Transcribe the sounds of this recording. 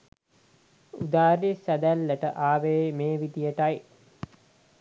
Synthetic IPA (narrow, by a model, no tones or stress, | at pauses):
ud̪aːɾisæd̪ælːəʈəʔaːʋemeːʋid̪ijəʈaj